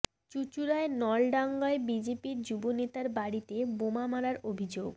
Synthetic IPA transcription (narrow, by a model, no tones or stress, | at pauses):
t͡ɕut͡ɕuɾaenɔlɖaŋɡaebid͡ʑepiɾd͡ʑubonet̪aɾbaɽit̪ebomamaɾaɾobʱid͡ʑoɡ